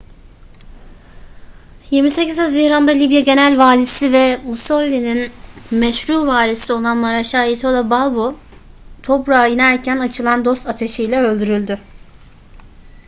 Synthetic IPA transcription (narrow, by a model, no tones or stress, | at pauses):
jiɾmise̞cizazihɾand̪alʲibjaɟe̞nælʲvaːlʲisivɛmusolʲːininmɛʃɾuːvaːlʲisio̞lˠanmaɾaʃaːit̪ʰolˠabalˠbo | t̪ʰo̞pɾaːinæɾcʰænat͡ʃʰɯlˠand̪o̞st̪at̪ʰe̞ʃijlʲɛø̞lʲd̪yɾylʲd̪ʏ